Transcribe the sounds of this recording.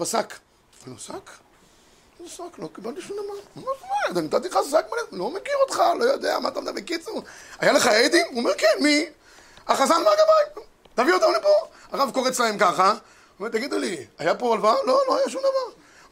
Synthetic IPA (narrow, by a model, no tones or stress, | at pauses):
pasak | anosak | nosaklo̞kibalt̪iʃumd̪avanmeaajad̪anit̪at̪iχasakmalelo̞mekiʁot̪χalo̞jod̪ea̰mat̪amd̪abekit͡suʁajaleχaejd̪imuomeʁkenmi | aχazanmaɡavaj | t̪aviot̪amlipo | aʁavkoʁet͡slaemkaχa | umet̪aɡid̪uliajapoalvaloloajaʃ̬umd̪avaʁ